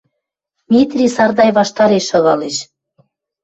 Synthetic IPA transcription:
mʲit̪rʲisɑrd̪ɑjβɑʃt̪ɑɾeʃɤ̆ɣɑleʃ

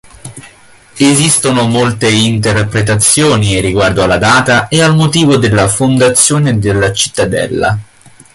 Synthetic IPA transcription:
ezist̪onomolt̪eint̪erpɾet̪at̪sːjoːniriɡward̪oalːad̪aːt̪aealmot̪iːvod̪elːafond̪at̪sːjoːned̪elːat͡ʃi̥t̪ːad̪ɛ̰lːa̰

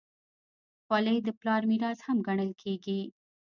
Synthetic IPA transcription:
xwɑləjd̪əplɑɾmiɾɑzhamɡaɳəlkʰeɡi

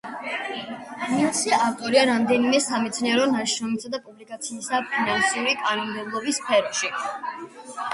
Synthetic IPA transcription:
iasɛaft̪ʼɔɾiaɾamd̪ɛnimɛsamɛt̪sʰniɛɾɔnaʃnɔnisad̪apʼublikʼat̪sʰiːsapʰinansuɾikʼanɔmd̪ɛblˠɔbisːpʰɛɾɔʃi

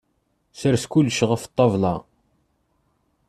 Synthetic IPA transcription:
səɾskulːʃʁəft̪ˤːɑvlɑ

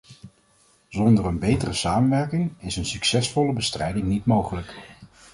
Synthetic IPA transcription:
zɔndərənbejtərəsaːmənʋɛɹkɪŋɪsənsyksɛsfɔləbəstrɛjdɪŋnitmowχələk

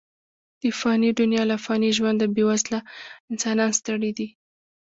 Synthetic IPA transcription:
d̪̥əfɑnidʊnjɑlafɣɑniʒwand̪əbewazlaɪnsɑnɑnst̪əɽid̪i

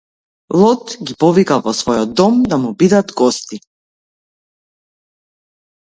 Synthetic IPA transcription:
lˠɔt̪ɡipɔvikavɔsvɔjɔd̪ːɔmd̪amubid̪at̪ɡɔst̪i

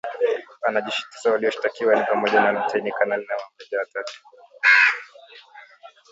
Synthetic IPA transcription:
anaʄiʃi̥ti̥sawaliɔʃi̥takiwanipamɔʄanamutʰainikanalinawamɛʄawatatu̥

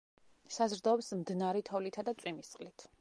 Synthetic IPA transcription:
sazɾd̪ɔːbsmd̪naɾit̪ʰɔvlit̪ʰad̪at̪sʼwimist̪sʼqʼlit̪ʰ

